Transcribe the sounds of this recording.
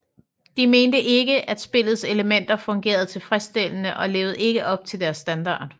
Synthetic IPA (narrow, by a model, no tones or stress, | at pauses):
d̥ime̝ːnd̥əʔe̝ɡ̥əʔæd̥sb̥e̝lð̞̩ˠse̝ləmen̰d̥ɐfɔ̽ŋɡ̥e̝̰ːɐð̞̩ˠt͡sʰe̝lfʁɛsd̥e̝l̰ənəʔɒ̽le̝̰ːʊð̞̩ˠe̝ɡ̥əʔɒ̽b̥̚t͡sʰe̝ld̥æɐsːd̥ænd̥ɑ̰̈ːd̥